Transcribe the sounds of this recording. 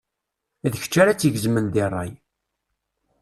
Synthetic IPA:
ðəçə̥t͡ʃːaɾat͡sːəʝəzmənðɪrˤːɑ̰j

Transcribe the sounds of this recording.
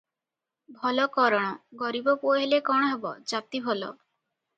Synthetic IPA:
bʱɔlɔkɔɾɔɽ̃ɔɡɔɾibɔpoeɦelekɔɽ̃ɔɦebɔ̰d͡ʒat̪ibʱɔlɔ̰

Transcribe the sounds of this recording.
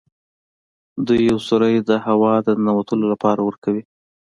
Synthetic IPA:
d̪ujːawsuɾəjd̪əhawɑd̪ənawat̪əlolapɑɾawəɾkawi

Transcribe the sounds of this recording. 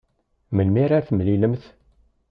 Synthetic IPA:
məlmiɾaɾθmliləmθ

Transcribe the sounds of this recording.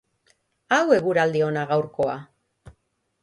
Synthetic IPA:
awe̞ɣuɾald̪io̞naɣawɾko̞a

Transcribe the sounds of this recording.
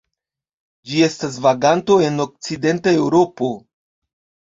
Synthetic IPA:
d͡ʒie̞stas̬vaɡanto̞e̞no̞k̚t͡side̞ntae̞wɾo̞po̞

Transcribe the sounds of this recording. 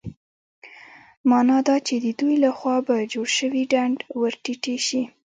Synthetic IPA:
mɑnɑd̪ɑt͡ʃed̪əd̪ujlaxwɑbad͡ʒoɽʃəwiɖaɳɖwəɾʈiʈeʃi

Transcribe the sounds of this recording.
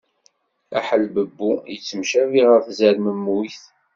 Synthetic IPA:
æħəlbəbːujət͡sːəmʃæviʁəɾθzæɾməmːuθ

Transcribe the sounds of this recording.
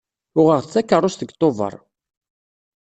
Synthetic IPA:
ʊʁəʁθt͡sːækːərˤːʊst̪əɡt̪ˤːovə̰ɾˤ

